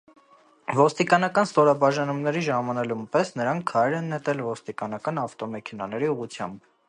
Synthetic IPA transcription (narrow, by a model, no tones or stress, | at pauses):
vɔst̪ikɑnɑkɑnst̪ɔɾɑbɑʒɑnumnɛɾiʒɑmɑnɛlumpɛsnəɾɑŋkʰːɑɾɛɾɛnːɛt̪ɛlvɔst̪ikɑnɑkɑnɑft̪ɔmɛkʰɛnɑnɛɾiuʁut͡sʰjɑ̰mb